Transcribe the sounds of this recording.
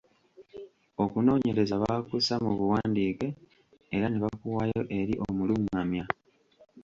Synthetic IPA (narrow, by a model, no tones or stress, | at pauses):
okuno̞ːɲe̞ɾe̞zaβakusamuβuwaːndiːke̞ | eɾaneβakuwajo̞ʔe̞ɾiʔo̞mulumamja